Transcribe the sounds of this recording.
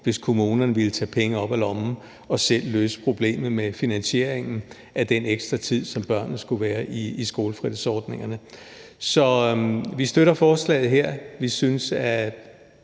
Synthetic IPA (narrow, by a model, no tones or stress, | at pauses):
ʋe̝skʰo̝muːnɐnəʋilət͡sʰɛ̰ːpʰeŋəɒ̽b̥ælɒ̽m̩ | ɒ̽sel̰ːø̰ːsə̥pʰʁo̝b̥le̝̰ːmð̩ˠmefinænɕie̝ɐ̰e̝ŋn̩ | æd̥eneɡ̥sd̥ʁɐt͡sʰið̰ˠsɒ̽mb̥ɶɐ̰nð̩sɡ̥uʋæːɐʔiːsɡ̥o̝ːləfʁið̰ˠsɒːd̥ne̝ŋɐnə | sɒ̽ʋisd̥øɾɐfɒːslɛ̰ːð̞̩ˠɦeɐ̰ʋisynsæ